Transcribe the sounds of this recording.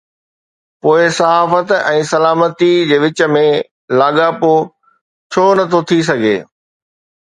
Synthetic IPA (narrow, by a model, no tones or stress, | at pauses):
poːɪsɐɦaːfət̪ɛ̃ːsɐlaːmət̪id͡ʑeːʋɪt͡ɕə̆mẽ | laːɠapo | t͡ɕʰoːnɐt̪ʰot̪ʰis̬ɐɡʱḛː